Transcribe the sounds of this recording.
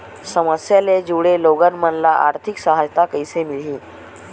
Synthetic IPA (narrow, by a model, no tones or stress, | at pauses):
səməsjaled͡ʑuʋɽeloɡənmənlaʔa̰ɾt̪ʰiksəɦajt̪akəjsemilɦiː